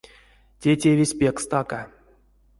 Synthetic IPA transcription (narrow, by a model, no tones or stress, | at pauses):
tʲetʲevʲesʲpʲekst̪aka